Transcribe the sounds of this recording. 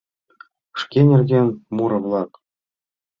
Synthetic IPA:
ʂkʲenʲɘ̆rʲdʲenʲmuɾɤ̆vlˠɑk

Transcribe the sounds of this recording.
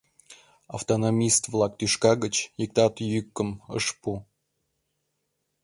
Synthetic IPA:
aft̪onomʲist̪vlˠɑk̚t̪yʃkɑɣət͡ɕjik̚t̪ɑt̪jykːəmə̰ʃpu

